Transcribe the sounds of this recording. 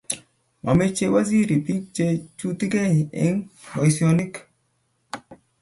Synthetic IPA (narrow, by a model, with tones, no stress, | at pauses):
ma̰˨me˦t͡ʃe˦wa˦zi˦ɾi˨pi˦k̚t͡ʃe˦t͡ʃu˦ti˦ke˦˨ɪ̰˦ŋbɔ˨jsiɔ˦ni˦k